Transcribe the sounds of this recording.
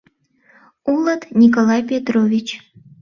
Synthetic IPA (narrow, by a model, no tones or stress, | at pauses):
ulˠət̪nʲik̬olˠɑjpʲet̪rovʲit͡ɕ